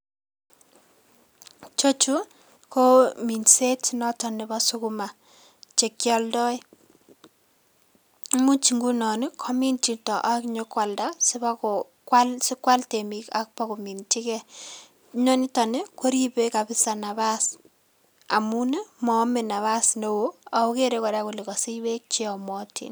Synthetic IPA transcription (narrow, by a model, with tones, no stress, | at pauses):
t͡ʃo˦t͡ʃu˦ | ko˦mi˨nse˦tnɔ˦tɔ˨ne˨ba˦su˦kuma˨ | t͡ʃe˨kjɔ˦ldɔ˦j | mu˦t͡ʃi˨ŋɡu˦nɔ˨nɪ˦kʰɔ˦mi˦nt͡ʃi˨tɔ˨ʔa˦kɲo˦kwa˨lda˦sɪ˦bakɔ | kwalsɪ˦kwa˦lte˨mika̰k̚pɔ˦kumi˨nti˦kɛ | ɲɔ˦ni˦tɔ˨ne˦ko˦ɾibeka˨bɪ˦sa˨na˨ba˦s | a˨mu˦ne˦mɔ˨˦me˨na˨βa˦sno˦woa˨u˦ke˦ɾeko˨ɾaku˨le˨kɔ˨si˦be˦k̚t͡ʃe˦ɔ˨mɔ˦tʰḭ˨n